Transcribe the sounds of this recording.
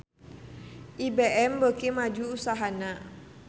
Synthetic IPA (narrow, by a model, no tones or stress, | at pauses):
ʔibeʔɛmbəkimad͡ʒuːsaɦana